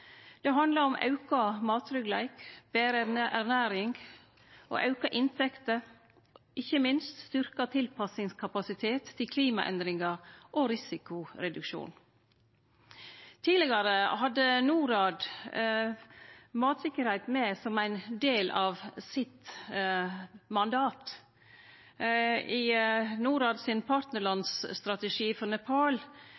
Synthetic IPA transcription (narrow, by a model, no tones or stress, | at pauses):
d̪̥ɛɦɑnd̪lɑɾɔmʔɑ̰ʉkɑmɑːt̪ɾʏɡlæ̰ɪkb̥eːɾenəʔæɾnæːɾɪŋɡ | ʔo̰ːʔɑʉkɑʔɪnt̪ʰɛkt̪ə | ʔɪçəmɪnst̪st̪ʏɾkɑt̪ʰɪlpʰɑsɪŋskʰɑpɑsɪt̪ʰeːt̪ʰːɪlkʰliːmɑ̰ʔɛ̰nd̪ɾɪŋɑɾʔoːɾɪsɪkʊɾɛd̪ʉkʃṵːn | t̪ʰiːlɪɡɑɾəhɑd̪ənuːɾɑːd̪ | mɑːt̪sɪkəɾhæɪt̪meːsɔmæɪnd̪eːlɑːʋsɪt̪ | mɑnd̪ɑːt̪ | iːnuːɾɑːd̪sɪnpʰɑːɾt̪nəɭɑnsst̪ɾɑt̪əʂiːfɔɾnɛpʰɑːl